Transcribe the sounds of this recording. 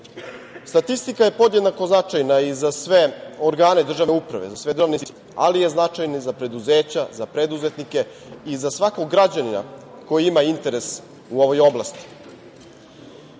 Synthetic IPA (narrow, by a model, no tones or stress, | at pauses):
st̪at̪ist̪ikaje̞po̞d̪jed̪nako̞znat͡ʃajnaizasʋe̞o̞ɾɡaːne̞d̪r̩ʒaʋneupɾa̰ʋḛzasʋe̞d̪rʒaʋnis | a̰lije̞znat͡ʃajnizapɾe̞d̪uze̞ːt͡ɕazapɾe̞d̪uze̞t̪nike̞ | izasʋako̞ɡɡɾad͡ʑanina̰ | ko̞jiimaint̪e̞ɾe̞s | uo̞ʋo̞jo̞blast̪i̥